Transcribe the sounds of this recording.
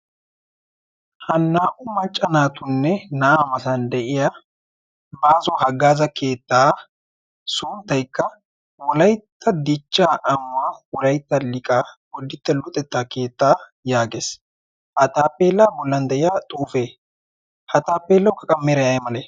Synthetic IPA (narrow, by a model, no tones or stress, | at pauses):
hɐnːaːʔʊmɐt͡ʃʼːɐnaːt̪ʊnːɛnɐʔaːmɐsɐnd̪ɛʔɪja | baːzɔhɐɡːaːzɐkʰe̞ːt̪ːaː | sʊːnt̪ːɐjkːɐ | wɔlɐjt̪ːɐd̪ɪt͡ʃːaːʔɐmʊwaːwɔlɐjt̪ːɐlɪkʼaːwɔd̪ːɪt̪ːɛlʊt̪ʼːɛt̪ːaːke̞ːt̪ːaːjaːɡes | hɐt̪aːpːeːlːaːbɔlːɐnd̪ɛʔɪjaːt̪ʼuːfeː | hɐt̪aːpːeːlːɐwkɐkʼɐmːɛɾɐjɐjmɐleː